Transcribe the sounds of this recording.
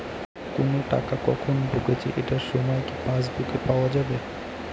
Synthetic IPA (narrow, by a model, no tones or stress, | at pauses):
konoʈa̰kakɔ̰kʰonbʱoket͡ɕʰeʔeʈaɾʃɔmɔekipãsd̪ukepaoad͡ʑabe